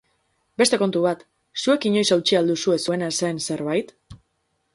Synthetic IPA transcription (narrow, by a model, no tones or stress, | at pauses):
be̞st̪e̞ko̞nt̪uβat̪ | sue̞kiɲo̞jsawt͡ʃiald̪usue̞sue̞naesense̞ɾβajt̪